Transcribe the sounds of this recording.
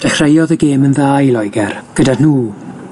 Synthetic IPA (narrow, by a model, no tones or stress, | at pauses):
d̥ɛxrejɔðəɡeːmənðaːjlˠɔjɡɛrɡ̥ədanuː